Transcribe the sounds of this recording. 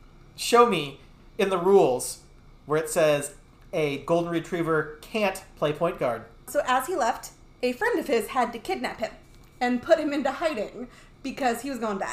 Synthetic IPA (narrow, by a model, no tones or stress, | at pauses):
ʃoʊmi | ɨ̃nðəɹulˠz̥ | wə˞ɨtsɛz | ɨɡoʊlˠdⁿn̩ɹɨtʰɹ̥ivə˞kʰæ̃ntpʰl̥eɪpʰɔ̃ɪ̃nɡ̥ɑɹd̚ | soʊʔəz̥ilɛft | ɨfɹɛ̃ndʌv̥ɪz̥ɨd̚tɨkʰɪdⁿnæphɨ̃m | ɨ̃npʰʊt̚hɨ̃mɪ̃ntʉhaɪɾɪ̃ŋ | b̥ɨkʰʌz̥iwʌzɡoʊɪ̃nbæ̰